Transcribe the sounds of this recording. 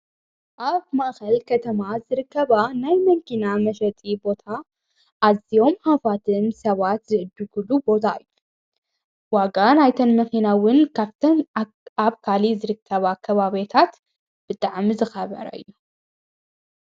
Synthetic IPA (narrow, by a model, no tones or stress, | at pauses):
ʔaβmaʔxɐlkʰɐt̪ʰɐmazɨɾɨkːɐβanajmɐŋkʰinamɐʃɐt͡s̪ʼibo̞t̪ʰa | ʔazio̞mhafat̪ʰɨnsɐβat̪zɨʔɨd̪ːuɡulubo̞t̪ʰaɨjːu | waɡanajt̪ʰɐnmɐxinawʊnaft̪ʰɐn | aβkʰalizɨɾɨkʰːɐβakʰɐβaβet̪ʰat̪ | b̥ɨt̪ʼaʕmizɨxɐβɐ̰ɾɐ̰ɨ̰jːu